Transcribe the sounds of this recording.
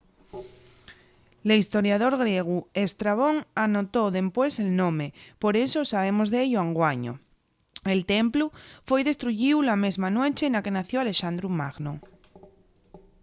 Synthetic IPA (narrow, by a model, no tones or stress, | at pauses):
leist̪o̞ɾjaðo̞ɾɣ̞ɾjeɣ̞uest̪ɾaβ̞o̞ŋano̞t̪oðe̞mpwe̞se̞lnõ̞mepo̞ɾe̞sosaβ̞e̞mo̞zðeeʎoaŋɡwaɲo̰ | elt̪emplufwe̞jðe̞st̪ɾuʝiwlame̞zmanwet͡ʃenake̞naθjoale̞ʃand̪ɾumaɣno